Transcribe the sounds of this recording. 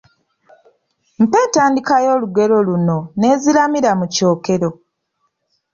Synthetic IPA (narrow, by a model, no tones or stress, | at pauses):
m̩pe̞ːntaːndikajo̞ːluɡe̞ɾo̞luno̞ne̞ːzilamiɾamuco̞ːke̞ɾo̞